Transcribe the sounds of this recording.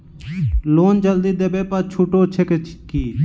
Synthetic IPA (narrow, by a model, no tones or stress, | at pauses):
loːnd͡ʒəld̪iːd̪ebeːpət͡ʃʰuːʈoːt͡ʃʰekekiː